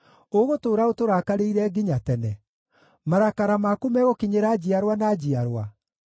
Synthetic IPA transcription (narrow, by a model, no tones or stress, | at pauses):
oɣotoːɾaotoɾakaɾeiɾɛɡiɲatɛnɛ | maɾakaɾamakumɛɣokiɲeɾad͡ʑiaɾwanad͡ʑiaɾwa